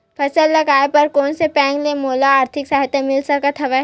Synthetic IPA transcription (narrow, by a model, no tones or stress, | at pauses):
pʰɐsəlːɐɡaːepɐɾkɔːnsepɛ̃ːŋɡlemoːlaaːɾt̪ʰɪksaːɦt̪emɪlsɐkət̪ʰɐʋɛ